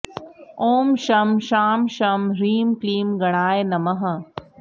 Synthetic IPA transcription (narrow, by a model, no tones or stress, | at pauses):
oːmʃɐmʃaːmʃɐmɾiːmkliːmɡɐɽ̃aːenɐmɐɦɐ